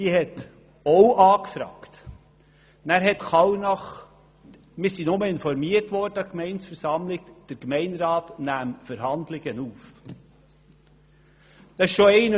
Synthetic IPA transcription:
siːhɛt | oʊʔɑːkfɾɑ̰ːkt | næːɾɦɛtχɑwnɑχ | mɪːɾsinʊməɪnfɔɾmiəɾtʋɔɾdəɑkmɛɪnsfəɾsɑmlɪɡd̥əɾkmɛɪnɾɑːtnæːmfəɾhɑnd̪lɪɡənuːf | d̥ɑɪʃʃoɛɪnə

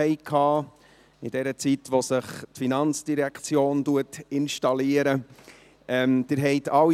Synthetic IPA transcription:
ɛɪkʰːɑː | ɪd̥ɛɾət͡sitʋosəχtfinɑnt͡sd̥iɾækʰt͡sjoːntuətɪnʃtɑliəɾə | ɛmd̥ɪɾɦɛɪt̪ʰɑw

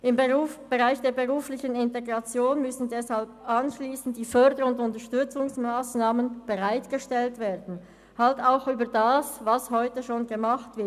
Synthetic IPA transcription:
ʔɪmb̥əʁaɪçd̥eːɐbəʁuːflɪçənɪnteɡʁɑt͡sjoːnmʏsn̩dɛshalp̚ʔanʃliːsn̩t̚d̥iːfœɐdəɾʊndʊntɐʃtʏt͡sʊŋsmaːsnaːmənb̥əʁaɪtɡ̥əʃtɛltv̥eːɐd̥n̩ | haltaʊxʔyːbɐdaːsvashɔʏtəʃoːnɡəmaχtv̥ɪɐt

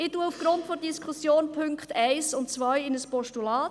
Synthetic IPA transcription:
ɪtuːəufɡ̥ɾʊntfɔɾdiskʰusjoːnpʰʏŋkχtæɪsʊntt͡sʋajɪnəspɔʃtulɑːt

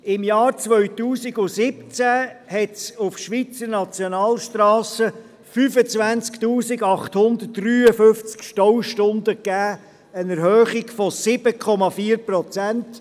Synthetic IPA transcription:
ɪmjɑːɾt͡sʋœɥtuːsiɡʊsɪp̚t͡sæhɛtsʊfʃʋit͡səɾnɑt͡sjɔnɑːlʃtɾɑːsə | fyfət͡svænt͡sktuːsɪɡɑχt̪hʊnd̪ə̥ryːəfʏft͡skʃtɔwʃtʊnd̪əkːæː | ənɛɾhøːχiɡfɔsɪb̥əkʰɔmɑfiːəɾprɔt͡sænt

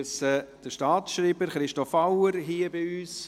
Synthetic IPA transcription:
səd̥əʃtɑːtsʃriːbəɾχɾɪʃtɔfawəɾɦiːəbɪyːs

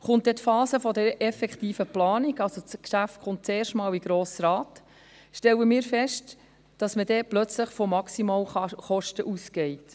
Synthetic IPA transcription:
χʊnt̚dɛtfɑːsəfɔdəɾɛfɛkχtiːfəplɑːniɡɑlsot͡skʃæftχʊnt̚t͡seːɾʃtmɑːliɡɾoːsɾɑːt | ʃtɛləmɪːɾfɛʃt | d̥ɑsmədɛːplœt͡sləχfɔmɑksimɑːlχɔʃtəʔusɡɛɪt

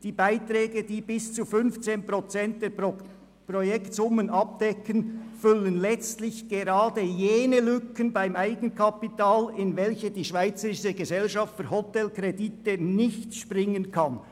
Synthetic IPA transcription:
d̥iːbaɪtrɛːɡəd̥iːbɪst͡sufʏnft͡seːnpʁot͡sɛnt̚d̥ɛːɐ | projɛktsʊmənɑp̚d̥ɛkənfʏlənlɛt͡stlɪçɡ̥eʁɑːdəjeːnəlʏkənbaɪmaɪɡ̥ən̩kʰɑpitaːlɪnvɛlçədiːʃv̥aɪt͡səɾɪʃəɡəzɛlʃɑftfyɾhɔtɛlkreditənɪçtʃpʁɪŋənkʰɑn

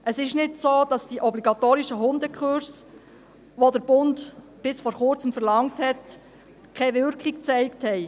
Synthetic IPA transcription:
ʔəsɪʃnɪtsoːd̥ɑsd̥iʔɔbliɡɑtoːɾiʃəɦʊndəkχʊɾs | ʋodəɾb̥ʊnd | b̥ɪsfɔɾχʊɾt͡səmfəɾlɑŋthɛt | kʰɛʋʏɾkik̚t͡sɛɪkthɛɪ

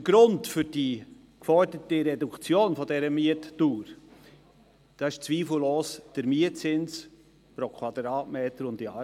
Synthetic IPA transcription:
əɡɾʊntfʏɾd̥i | kfɔɾdətiɾɛdukt͡sjoːnfɔdɛɾəmiətːuːɾ | d̥ɑɪʃt͡sviːfl̩loːsd̥əɾmiət͡sɪns | pɾokʰwɑd̪ɾɑːtmeːt̪əɾʊndiɑ

